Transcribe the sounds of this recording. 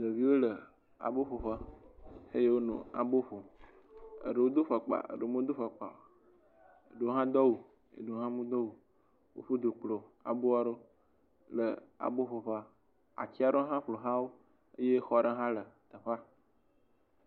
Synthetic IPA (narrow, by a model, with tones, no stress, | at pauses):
d̪ə˨vi˦wo˦lə˨ | a̰˨bo˦ɸo˨ɸə˦he˦je˦wo˦nṵ̃˨a̰˨bo˦ɸo˨ | ə̰˨ɖə˨wo˦d̪o˦ɸə˨k͡pa̰˨ə̰˨ɖə˨mo˦d̪o˦ɸə˨k͡pa̰˨wa˨ | ḛ˨ɖo˦ɦã˦d̪ɔ˦wu˨ | ḛ˨ɖo˨˦ɦã˦mũ˦d̪ɔ˦wu˨ | wo̰˦ɸo˦d̪o˨k͡plo˨a̰˨bo˦a˦ɖo˦ | lə˨a̰˨bo˦ɸo˨ɸa˦ | a̰˨t͡ɕi˦a˦ɖo˦ɦã˦ɸlo˨ɦã˦wo˦ | ə̰˦je˦xɔ˦ɖə˦ɦã˦lə˨t̪ə˨ɸa˦